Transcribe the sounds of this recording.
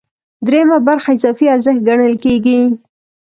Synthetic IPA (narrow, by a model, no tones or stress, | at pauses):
d̪ɾemabaɾxaɪzɑfiaɾzəht̪̚ɡaɳəlkeɡi